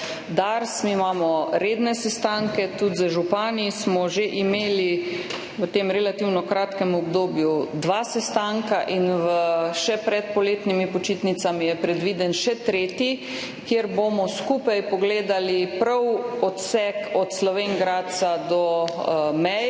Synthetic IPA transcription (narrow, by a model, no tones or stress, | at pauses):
d̪aɾsmimaːmɔɾeːd̪nɛsɛst̪aŋkɛt̪ut̪zəʒupaːnismɔʒeʔimeːli | ʋət̪eːmɾɛlat̪iwnɔkɾaːt̪kɛmɔbd̪oːbjud̪ʋaːsɛst̪aŋkaʔinʋəʃɛpɾɛt̪̚pɔleːt̪nimipɔt͡ʃit̪nit̪samijɛpɾɛd̪ʋiːd̪ɛnʃɛt̪ɾeːt̪i | kjeɾbomɔskupajpɔɡleːd̪alipɾɐwɔt̪sɛkɔt̪slɔʋeŋɡɾaːt̪̚t̪sad̪ɔ | mɛj